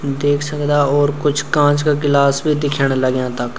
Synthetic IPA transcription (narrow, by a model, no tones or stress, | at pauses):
d̪eːkʰsəkd̪aːɔːɾkʊt͡ʃʰkãːt͡ʃkakɪlaːsbʱid̪ɪkʰəɽ̃ləɡjãːt̪ək